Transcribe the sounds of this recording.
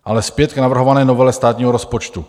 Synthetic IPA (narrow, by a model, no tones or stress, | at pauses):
ʔalɛspjɛt̪knavr̩ɦovanɛːnovɛlɛst̪aːt̪ɲiːɦoɾospot͡ʃt̪u